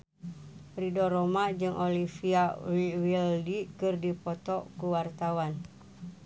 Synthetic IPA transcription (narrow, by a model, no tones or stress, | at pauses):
pɾidɔromaʔd͡ʒɨŋʔolifiawiwildiʔkɨrdipot̪ɔʔkuwart̪awan